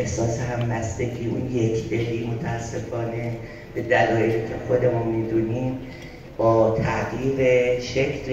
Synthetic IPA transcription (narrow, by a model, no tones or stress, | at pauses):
hsɒːseɦæmːæsd̪ecʰiːʔṵnjekʰb̪eɦiːmot̪ʰæːsːe̞fɒːne̞ | b̥e̞d̪ælɒːjeɾiːcʰexo̞d̪e̞mɒːmid̪uːniːm | b̥ɒːt̪ʰæʔɡiːɣeʃekʰl